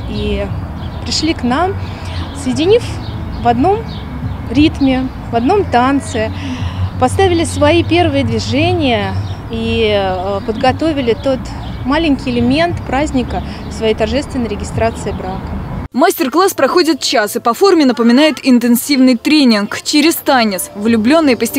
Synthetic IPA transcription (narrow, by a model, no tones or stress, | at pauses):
i | pɾʲɪʂlʲiknam | səjɪdʲɪnʲif | vɐd̪no̞m | ɾʲit̪mʲɪ | vɐd̪no̞mt̪ant̪sɨɪpɐst̪avʲɪlʲɪsvɐipʲe̞rvɨjəd̪vʲɪʐɛnʲɪjə | i | pəd̪ɡɐt̪o̞vʲɪlʲɪt̪o̞t̪ | malʲɪnʲkʲɪjɪlʲɪmʲe̞nt̪pɾazʲnʲɪkə | fsvɐjejt̪ɐrʐɛst̪vʲɪnəjɾʲɪɡʲɪst̪ɾat̪sɨɪbɾakəmasʲtʲɪrklˠaspɾɐxo̞dʲɪt̪̚t͡ɕasɨpɐfo̞rmʲɪnəpəmʲɪnajɪt̪ɪnt̪ɨnsʲivnɨjt̪ɾʲenʲɪnkt͡ɕɪɾʲɪst̪anʲɪt̪svlʲʊblʲo̞nːɨjpəsʲtʲɪ